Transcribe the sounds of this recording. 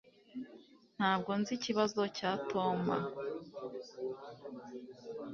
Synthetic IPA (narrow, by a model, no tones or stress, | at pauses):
n̥haːb̚ɡo̞nziciβazo̞caːtʰoma̰